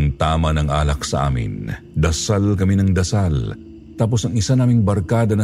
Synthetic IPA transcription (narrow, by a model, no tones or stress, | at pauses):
ŋt̪aːmɐnɐŋʔa̰ːlɐk̚sɐʔa̰ːmɪ̰n | d̪ɐsalkɐminɐŋd̪ɐsal | t̪aːp̬osɐŋɪsanaːmɪŋbɐɾkaːd̪ɐnɐ